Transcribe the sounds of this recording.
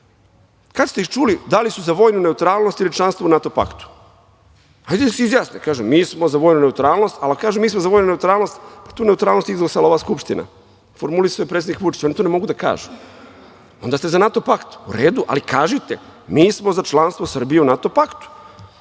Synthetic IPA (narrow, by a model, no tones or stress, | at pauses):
kad̪st̪eixt͡ʃulid̪alisuzaʋo̞ːjnune̞ut̪ɾaːlˠno̞st̪ilit͡ʃlˠanst̪vounat̪o̞pa̰kt̪u̥ | hajd̪esizjaːsnekaːʒemmiːsmo̞zaʋoːjnune̞ut̪ɾaːlno̞st̪alkaːʒemiːsmozaʋoːjnune̞ut̪ɾaːlnost̪pḁt̪uːne̞ut̪ɾaːlno̞st̪izɡlˠasalˠaoʋaːskupʃt̪ina̰ | foɾmulisojpɾet̪ed̪nikʋut͡ʃi̥t͡ɕonit̪onemo̞ɡud̪aka̰ːʒe | ond̪aːst̪ezanat̪o̞pakt̪uɾeːd̪uʔa̰likaːʒit̪emiːsmo̞zat͡ʃlˠanst̪ʋosər̩bijeunat̪o̞pakt̪u̥